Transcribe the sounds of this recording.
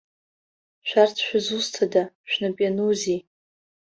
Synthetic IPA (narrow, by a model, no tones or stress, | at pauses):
ʃʷᶣartʰʃᶣazustʰada | ʃᶣnapʼjanuzi